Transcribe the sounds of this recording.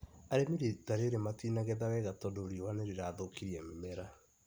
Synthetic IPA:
aɾemiɾitaɾeɾematinaɣɛðawɛɣatɔdoːɾiɔwaneɾeɾaðokiɾiamemɛɾa

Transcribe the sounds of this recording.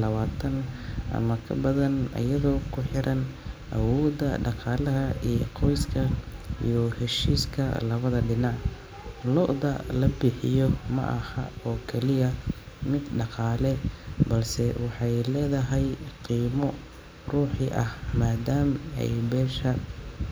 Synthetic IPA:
lɐβaːt̪ʰɐnʔɐ̰mɐkʰɐbɐðɐnɐ̰jɐðɔːkʰʊħɪɾʔɐnʔɐ̰wɔːd̪ɐ̰ɖɑqɑːlɐɦɐʔijqʰɔjskʰɐḭjɔhɛʃiːskʰɐ̰lɐβɐðɐɖɪnɑʕ | lɔʔðɐ̰lɐbɪħɪ̰jɔmɐ̰ʔɐhɐɔːkʰɛlɪjɐmɪd̪ɖɑqɑːlɛbɐlsɛwɑħɑjlɛːðɐɦɛjqiːmɔ | ruːħiʔɐhmaːd̪aːmɛ̰jbɛːʃɐ

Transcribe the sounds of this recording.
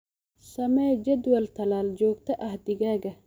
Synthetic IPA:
sɐmɐd͡ʒɐd̪wɐlt̪ʰɐlaːld͡ʒoːk̚t̪ɐʔɐɦd̪iɡaːɡɐ

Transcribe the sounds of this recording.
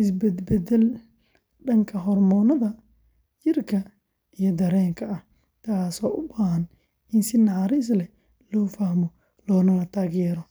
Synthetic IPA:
ʔɪsbɛd̪bɛd̪ɛl | ɖɐŋkʰɐɦɔrmɔːnɐðɐ | jɪrkʰɐ | ijɞd̪ɐɾɛːŋkʰɐɐh | t̪ʰaːsɔːʔʊbaːɦɐn | ɪnsɪnɑʕɾɪs̬lɛ | lɔːfɐhmɔ | lɔːnɐlɐt̪ʰaːɣjɛːɾɔ

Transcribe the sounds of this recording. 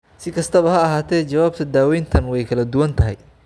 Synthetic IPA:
sɪkʰɐst̪ʰɐβɐɦɐɐɦaːt̪ʰɛːt͡ʃɐwaːb̚t̪ʰɐd̪aːwɛjnt̪ʰɐnwɛjkʰɐlɐd̪ʊwɐnt̪ʰɐɦɛ̰j

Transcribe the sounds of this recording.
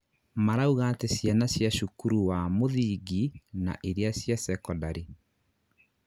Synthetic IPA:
maɾauɣatesjanasjaʃukuɾuwamoðiɡina̰ʔeɾeasjasɛkɔdaɾe

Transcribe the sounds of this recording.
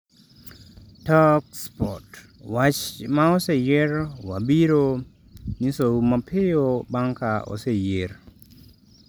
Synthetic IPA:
tɔkspɔ̰t | wat͡ʃmaɔsejeɾwa̰biɾo | nisomapʰɪjobaŋkaɔ̰sejeɾ

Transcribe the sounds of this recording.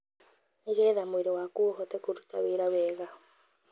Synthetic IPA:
iɣɛːðamweɾewakuɦɔtɛkuɾutaweːɾawɛːɣa

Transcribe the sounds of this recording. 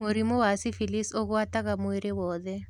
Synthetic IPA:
moɾimɔwasifilisoɣataɣamuiɾewɔːðɛ

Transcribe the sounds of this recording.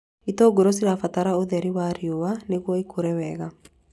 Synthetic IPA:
itoːɡoɾos̬iɾafataɾaoðɛɾiwaɾjowaneɣwɔikʰoɾɛwɛɣa

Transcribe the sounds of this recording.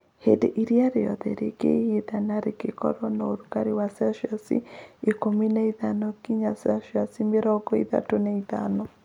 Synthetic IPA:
hedeʔiɾiaɾejɔ̰ðɛ̰ɾḛɡḛhiðanaɾekekɔ̰ɾɔnooɾukaɾiwasaʃjasḭikominaiðanokiɲasaʃjasimeɾɔɡɔḭða̰tonɛita̰nɔ

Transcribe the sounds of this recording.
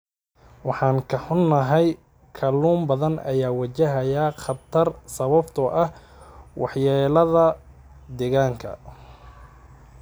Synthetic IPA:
wɑħɑːŋkʰɐħʊnːɐɦɛj | kʰɐluːmbɐðɐnɐ̰jaːwɐt͡ʃɐɦɐjaːχɐt̪ʰɐrsɐβɐbt̪ʰɔʔɐh | wʔɑħjaːlɐðɐ | d̪ɛɣaːŋkʰɐ̰

